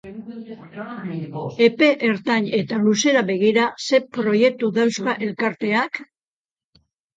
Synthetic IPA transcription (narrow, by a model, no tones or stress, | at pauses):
e̞pe̞ʔeɾt̪aɲe̞t̪aluse̞ɾaβe̞ɣ̞iɾase̞pɾo̞je̞k̚t̪uðawskaʔe̞lkaɾt̪e̞ak